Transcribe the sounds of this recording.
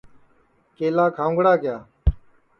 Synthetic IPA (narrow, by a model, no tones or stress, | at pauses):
keːlaːkʰaːʊ̃ŋɡɽaːkɪjaː